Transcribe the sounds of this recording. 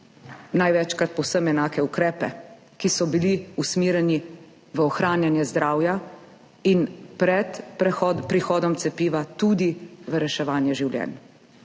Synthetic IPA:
najʋɛt͡ʃkɾat̪̚pɔwsəmɛnaːkɛukɾɛːpɛ | kisɔbiliusmiːɾjɛni | ʋəɔxɾaːnjanjɛzd̪ɾaːwja | inpɾɛt̪ɾɛxɔpɾixɔːd̪ɔmt̪sɛpiːʋat̪uːd̪iʋəɾɛʃɛʋaːnjɛʒiwljɛ̰ːn

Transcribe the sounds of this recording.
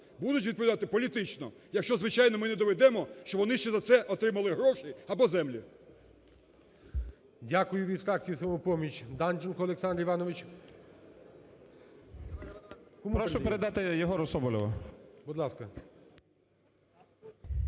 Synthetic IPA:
bud̪ʊtʲʋʲid̪̚p̬ɔʋʲd̪at̪ɪpɔlʲit̪ɪt͡ʃnɔ | jɐkʃt͡ʃɔzʋɪt͡ʃajnɔmɪnɛd̪ɔʋɛd̪ɛmɔʃt͡ʃɔbʋɔnɪʃt͡ʃɛzɐt̪sɛʔɔt̪ɾɪmɐlˠɪɦɾɔʃiɐbɔzɛmlʲi | dʲakʊjʊʋʲid̪fɾɑk̚t͡sʲijisɔmupɔmʲit͡ʃʲd̪and͡ʒɔnkɔːlˠeksɑnd̪ɾiʋɑnɔʋɪt͡ʃʲ | kɔmupɾɔʃʊpeɾed̪ɑt̪ɪjɔɦɔɾɔsɔbɔlʲɪʋɐbud̪lˠɑskɐ

